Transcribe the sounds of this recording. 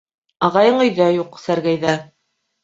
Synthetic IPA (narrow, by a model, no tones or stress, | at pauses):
ɑʁɑjɤɴɵ̆jðæjuqsæɾɡæjðæ